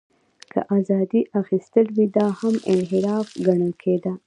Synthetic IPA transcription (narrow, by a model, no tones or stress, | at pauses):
kʰa̰ʔazɑd̪iʔaxist̪əlwid̪ɑhamɪnɦɪɾɑfɡaɳəlkʰed̪a